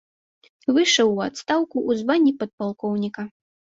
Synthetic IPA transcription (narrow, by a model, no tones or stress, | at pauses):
vɨʂɐwːat̪st̪awkuʔːzvanʲːipɐt̪̚palˠkɔwnʲikɐ